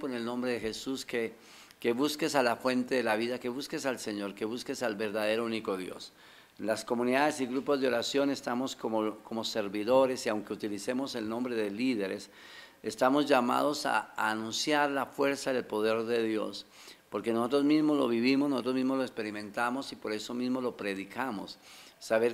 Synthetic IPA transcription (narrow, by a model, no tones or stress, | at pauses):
poene̞lnõ̞mbɾeðexe̞suske | keβuske̞salafwe̞nt̪eðe̞laβiðake̞βuske̞salse̞ɲo̞ɾke̞βuskesalβe̞ɾðaðe̞ɾouniko̞ðjo̞̰s | lasko̞mũniðaðe̞siɣɾupo̞zd̪eo̞ɾasjo̞ne̞st̪amo̞skomoko̞mo̞se̞ɾβiðo̞ɾe̞siawŋke̞ut̪ilise̞mo̞se̞lnõ̞mbɾe̞ðe̞liðe̞ɾe̞s | est̪amo̞zʝama̰ð̞o̞sa̰ːnũnsjaɾlafwe̞ɾsaðe̞lpo̞ðe̞ɾðe̞ðjo̞̰s | po̞ɾke̞noso̞t̪̬ɾozmizmozlo̞βiβimosnosɾo̞zmizmozloekspe̞ɾimẽ̞nt̪amo̞sipo̞ɾe̞so̞mizmolo̞pɾe̞ðikʰamo̞̰sːaβeɾ